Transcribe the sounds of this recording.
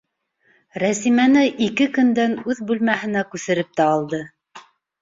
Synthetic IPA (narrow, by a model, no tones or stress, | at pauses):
ɾæsimænɘʔikɘkɵ̆nd̪ænʉðbʉlmæhɘ̆nækʉθɘ̆ɾɘp̚t̪æɑlˠd̪ɤ